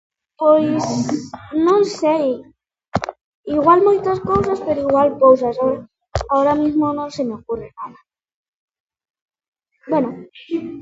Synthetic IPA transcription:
pojsnõŋsej | iɣwalmojt̪askowsaspeɾoiɣwalpowsaso | aoɾamizmonõsemeokurenaða | bweno

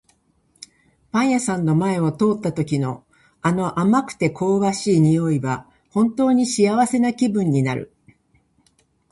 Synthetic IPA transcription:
pãɰ̃jasãnːo̞mae̞ot̪o̞ːt̪ːat̪o̞kʲino̞ | ano̞ʔamakɯ̟̥t̪e̞kʰo̞ːβaɕiːɲ̟ijo̞iβa | hõ̞nt̪o̞ːɲ̟iɕijaβase̞nakʲibɯ̟̃ɲ̟ːinaɾɯ̟̰

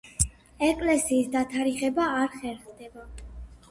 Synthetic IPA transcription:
ɛkʼlɛsiːsd̪at̪ʰaɾiχɛbaːɾχɛɾχd̪ɛba

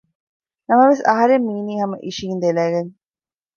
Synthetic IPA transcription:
nɐmɐʋesɐɦɐɾemːiːniːɦɐmɐʔiʃiːnd̪elæːɡɐn

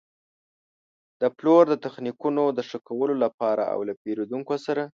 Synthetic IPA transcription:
d̪̥əploɾd̪ət̪axnikunod̪əʂəkawəlolapɑɾa̰a̰wlapeɾod̪uŋkosaɾa

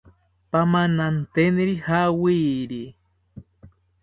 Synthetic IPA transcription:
pamanant̪eniɾihawiɾi

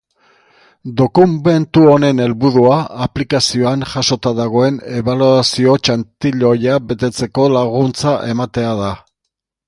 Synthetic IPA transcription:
d̪o̞kume̞nt̪uo̞ne̞ne̞lβuðuaːplikasio̞aŋʝaso̞t̪aðaɣ̞o̞e̞ne̞βaluasio̞t͡ʃant̪iʎo̞jabe̞t̪e̞t͡se̞ko̞laɣ̞unt͡saʔe̞mat̪e̞aða

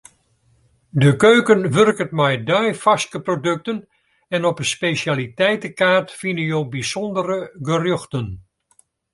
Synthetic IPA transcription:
dəkøːkənʋørkətmɛjdœjfaskəprodøk̚tən | ɛnɔpənspesjaːlitɛjtəkaːrtfinəjowbisɔndərəɡərʏxtən

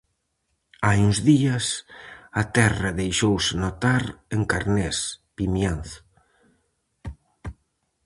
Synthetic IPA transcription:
ajuŋzðiasat̪ɛraðejʃowsɪnot̪aɾeŋkaɾnespimjanθ

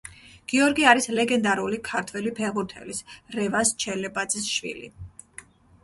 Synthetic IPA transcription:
ɡ̥iɔɾɡiaɾislɛɡɛnd̪aɾulikʰaɾt̪ʰwɛlipʰɛʁuɾt̪ʰɛ̰lisɾɛvast͡ʃʰɛlɛbad̪z̥isʃwḭlḭ

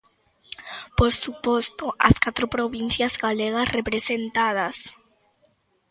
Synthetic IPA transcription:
poɾsupost̪ʊʔɐ̰skat̪ɾopɾoβin̟θjɐzɣaleɣɐsrepɾesent̪að̞ɐs

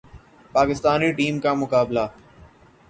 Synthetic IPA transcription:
paːkɪst̪aːniʈiːmkamʊkaːbla

